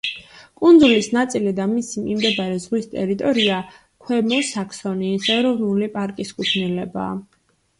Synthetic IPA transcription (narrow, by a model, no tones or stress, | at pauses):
kʼund̪zulisnat̪sʼilid̪amisimimd̪ɛbaɾɛzʁwist̪ʼɛɾit̪ʼɔɾia | kʰwɛmɔsakʰsɔniːsɛɾɔvnulipʼaɾkʼiskʼut̪ʰnilɛba̰ː